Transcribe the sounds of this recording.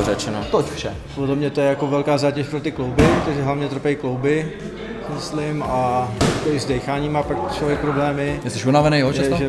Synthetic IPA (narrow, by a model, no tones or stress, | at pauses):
rɛt͡ʃɛnot̪ocfʃɛ | podlɛmɲɛt̪ojɛjako̞vɛlkaːzaːcɛʃpɾot̪ɪklowbɪpɾot̪oʒɛɦlavɲɛt̪r̩pɛiklowbɪ | ksɪmɪslɪmajakoɪzdɛjxaːɲiːmaːpakt͡ʃlovjɛk̚pɾoblɛːmɪjɛst̪ɛʃunavɛnejɛɦʒɛsʒɛ